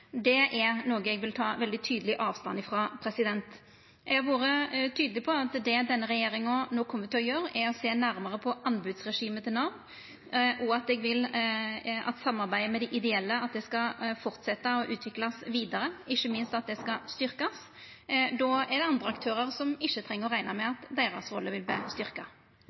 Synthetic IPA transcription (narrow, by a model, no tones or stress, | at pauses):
d̪ɛʔɛʁnoːɡəɛɡʋɪlt̪ʰɑːʋɛld̪ɪt̪ʰyːd̪əlɪʔɑːʋst̪ɑ̰nɪfɾɑːpʰɾɛsɪd̪ɛnt̪ | ɛɡʋuːɾət̪ʰyːd̪əlɪpʰɔɑt̪d̪ɛd̪ɛnːəɾɛjeːɾɪŋɔnoːkʰɔmːəɾt̪ɪlɔjøːɾɛɾɔseːnæɾməʁəpʰɔʔɑnbʉd̪sʁɛʂiːmət̪ʰɪlnɑn | ʔɔɑt̪̚ɛɡʋɪl | ɑ̰t̪sɑmːɑɾbæɪəmɛd̪ɛʔɪd̪ɛɛlːəɑt̪̚d̪ɛskɑfɔɾt̪sɛt̪ːəɔʔʉːt̪ʰʋɪklɑsʋiːd̪ɑɾəɪçːəmɪnst̪ɑt̪̚d̪ɛskɑst̪ʏɾkɑs | d̪ɑːɛd̪ɛɑnd̪ɾəɑkt̪ʰøːɾəɾsɔmɪçːət̪ʰɾɛŋːəɾɔʁæɪnɑmɛɑt̪d̪eːɾɑ̰sɾɔlːəʋɪlbəst̪ʏɾkɑ